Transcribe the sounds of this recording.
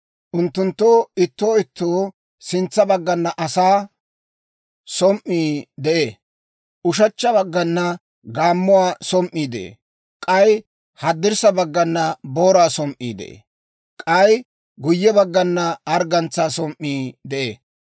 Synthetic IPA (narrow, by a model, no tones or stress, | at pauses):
ʔʊnt̪ːʊnt̪ːoːɪt̪ːoːɪt̪ːoː | sɪnt͡sːɐbɐɡːɐnːɐʔɐsaː | sɔmʔːiːd̪ɛʔe | ʊʃ̬ɐt͡ʃːɐbɐɡːɐnːɐ | ɡaːmːʊwaːsɔmʔiːd̪ɛʔḛ | kʼɐj | hɐd̪ːɪɾsɐbɐɡːɐnːɐboːɾaːsɔmʔḭːd̪ɛ̰ʔḛ | kʼɐj | ɡʊjːɛbɐɡːɐnːɐɐɾɡɐnt͡sːaːsɔmʔːiːd̪ɛʔeː